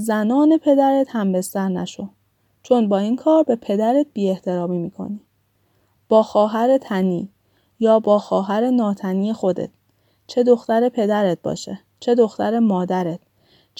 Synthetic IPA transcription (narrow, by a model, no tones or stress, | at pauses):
zænɒːne̞pʰe̞d̪æɾet̪hæmbe̞st̪æɾnæ̰ʃo | t͡ʃʰo̞nbɒːiːnkʰɒːɾbe̞pʰe̞d̪æɾet̪̚biːeht̪ʰe̞ɾɒːmiːmiːkʰo̰niː | b̥ɒːxɒːɦæɾe̞t̪ʰænḭː | jɒːbɒːxɒːɦæɾe̞nɒːt̪ʰæniːjexo̞d̪ḛt̪̚ʰ | t͡ʃʰe̞d̪o̞xt̪æɾepʰe̞d̪æɾet̪̚bɒ̰ːʃe | t͡ʃʰe̞d̪oxt̪æɾe̞mɒːd̪æɾet̪̚ | t͡ʃ